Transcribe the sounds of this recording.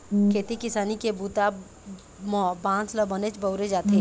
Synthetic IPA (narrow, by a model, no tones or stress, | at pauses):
kʰeːt̪ikɪsaːnikebuːt̪a | mbãːnsləbənet͡ʃbəʊɾed͡ʒaːt̪eː